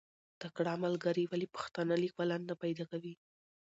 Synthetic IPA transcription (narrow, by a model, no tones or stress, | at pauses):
t̪akɽɑamalɡaɾiwalipə̥xt̪ɑnəlik̚balanːapajd̪ɑkawi